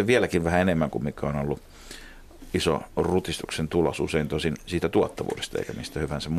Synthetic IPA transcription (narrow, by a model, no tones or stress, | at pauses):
eʋiælækiʋʋæhæenemːæŋkummikːæonolːu | iso̰rut̪ist̪uksent̪ulɑsuseint̪osinsiːt̪æt̪uɑt̪ːɑʋṵːdest̪ɑḛikæmist̪æhyʋænsæmm